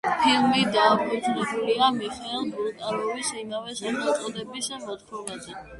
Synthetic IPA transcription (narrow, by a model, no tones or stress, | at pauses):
pʰilˠmid̪aːpʰʼɔd̪zɾɛbuliamiχɛɛlˠbult̪ʼaɾɔvisimavɛsad̪ak̪ʼɔd̪ɛbisbɔt̪pʰɔmazɛ